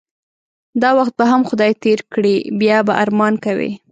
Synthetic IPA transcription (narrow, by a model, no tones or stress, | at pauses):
d̪ɑwaxt̪̚baɦamxʊd̪ɑjt̪eɾkɽibjɑbaʔaɾmɑnkawḭ